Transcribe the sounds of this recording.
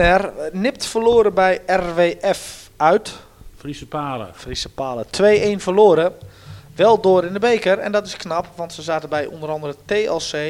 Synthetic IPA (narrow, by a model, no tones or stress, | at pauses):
ɛrnɪp̚tfərloːəɾəbɛjɛrʋeːʔɛfœɥt | fispaːlə̰frisəpaːlətʰʋeːʔeːnfərloːəɾəʋɛlˠdoəɾɪndəbejkərɛ̰ndɔtɪsknapʋɑntsəzaːtəbɛjʔo̰ndəɾɑndərəteːɛlˠseː